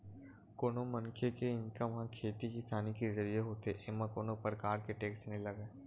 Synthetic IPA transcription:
koːnomɐnkʰekeɪ̃nkamɐɦãkʰeːt̪ikist̪ʰaːnikizəɾijeɦoːt̪eʔeːmãkoːnopɾəkaːɾkeʈeːksʈnelɐɡeː

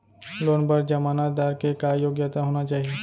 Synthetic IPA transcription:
loːnbəɾd͡ʒɐmaːnatd̪aːɾkekajoːɡjət̪aɦoːnat͡ʃaːɦie

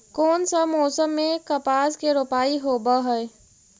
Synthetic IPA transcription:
koːnsəmɔːsəmːẽkəpaːskeɾopaːiɦobəɦəe

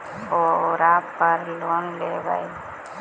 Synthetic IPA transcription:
oɾaːpːəɾloːnleːba̰i

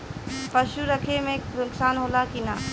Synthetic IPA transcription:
pəʃuɾəkʰemẽkpɾʊksaːnɦoːlakinaː

